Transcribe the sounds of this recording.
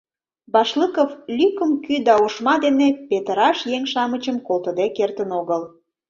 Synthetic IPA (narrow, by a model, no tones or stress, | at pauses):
bɑʃləkəflʲykəmkyd̪ɑoʃmɑd̪enepet̪əɾɑʃjeŋʃɑmət͡ɕəmkolt̪ə̆d̪ekert̪ənoɣəl